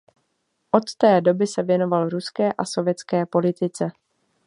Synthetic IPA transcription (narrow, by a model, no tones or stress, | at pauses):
ʔot̪ːɛːdo̞bɪsɛvjɛno̞valɾuskɛːʔaso̞vjɛt͡skɛːpo̞lɪt̪ɪt͡sɛ